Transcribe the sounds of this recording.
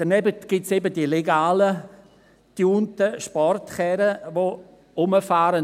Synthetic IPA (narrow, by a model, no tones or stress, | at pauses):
d̥ɛnɛbətɡ̥ɪtsebədileɡaːlə | d̥juːntəʃpɔrtχɛːɾəʋo | ʊməfaːɾə